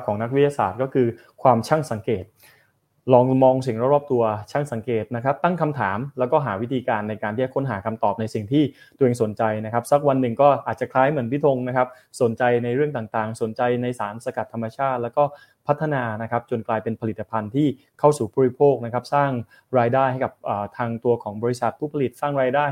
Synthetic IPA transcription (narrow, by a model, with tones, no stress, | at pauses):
kʰɔː˩˦ŋna˦˥k̚wi˦˥t̪ʰja˧sa̰ː˨˩t̪̚kɔː˥˩kʰɯː˧ | kʰwaː˧mt͡ɕʰa˥˩ŋsa˩˦ŋkeː˨˩t̪̚ | lɔː˧ŋmɔː˧ŋsi˨˩ŋɾa˦˩ɾɔː˥˩p̚t̪u˧ɐt͡ɕʰa˥˩ŋsa˩˦ŋkeː˨˩t̪̚na˦˥kʰa˦˥p̚t̪a˥˩ŋkʰa˧mt̪ʰaː˩˦mlɛː˦˥wkɔː˥˩ɦaː˩˦wi˦˥t̪ʰiː˧kaː˧nːa˧jkaː˧nt̪ʰiː˥˩t͡ɕa˨˩kʰo˦˥nɦaː˩˦kʰa˧mt̪ɔː˨˩p̚na˧jsi˨˩ŋt̪ʰiː˥˩ | t̪u˧ʔeː˧ŋso˩˦nt͡ɕa˧jna˦˥kʰa˦˥p̚sa˦˥k̚wa˧nːɯ˨˩ŋkɔː˥˩ʔaː˨˩t̪̚t͡ɕa˨˩kʰlaː˦˥jmɯ˩˦ənpʰi˦˥˩t̪ʰo˧ŋna˦˥kʰa˦˥p̚ | so˨˩˦nt͡ɕa˧jna˧jɾɯ˥˩əŋt̪aː˨˩ŋt̪aː˨˩ŋso˨˩˦nt͡ɕa˧jna˧jsaː˩˦nsa˧ka˨˩t̪ʰːa˧mːa˧t͡ɕʰaː˥˩t̪̚lɛ˦˥wkɔː˥˩ | pʰa˦˥t̪ʰːa˧naː˧na˦˥kʰa˦˥p̚t͡ɕo˧nklaː˧jpe˧npʰa˧liː˨˩a˧pʰa˧nt̪ʰiː˥˩ | kʰa˥˩wsuː˨˩buː˧˥ɾi˧˥pʰoː˥˩k̚na˥kʰa˦˥p̚saː˥˩ŋ | ɾaː˧jdaː˥˩jha˥˩jka˨˩p̚ʔəː˨˩t̪ʰaː˧ŋt̪u˧ɐkʰɔː˩˦ŋbɔː˧ɾi˦˥sa˨˩t̪̚pʰuː˥˩pʰa˧li˨˩t̪̚saː˥˩ŋɾaː˧jdaː˥˩j